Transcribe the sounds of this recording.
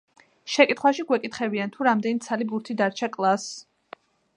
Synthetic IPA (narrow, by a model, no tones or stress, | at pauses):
ʃɛkʼit̪χwaʃiɡwɛkʼit̪χɛbiant̪ʰuɾamd̪ɛnit̪sʰalibuɾt̪ʰid̪aɾt͡ʃʰakʼlˠas